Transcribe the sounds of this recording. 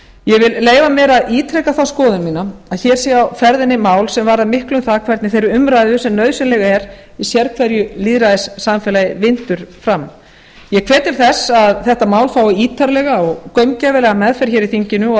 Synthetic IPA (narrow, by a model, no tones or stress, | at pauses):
jɛɣvɪlleːjvamɛːɾaðiːt̪ʰɾɛkaθawskɔːðʏnmiːnaaðçɛːɾ̥siːawfɛɾðɪnɪmaːwlsɛmvaːɾaðmɪhklʏmθakʰvɛɾt̪nɪθejɾʏʏmɾaːjðʏsɛmnœːɥðsɪlɛɣaɛɾ | isjɛɾkʰvɛɾjʏliːðɾaðɪsːamfɛːlajɪvɪnt̪ʏɾ̥fɾam | jɛkʰvɛːt̪ɪɾ̥θɛsaðθɛht̪amaːwlfaːwiːt̪ʰaɾlɛɣaɔɣkœɥmcɛvɪlɛɣamɛðfɛɾ̥çɛɾiθiɲcɪnʏ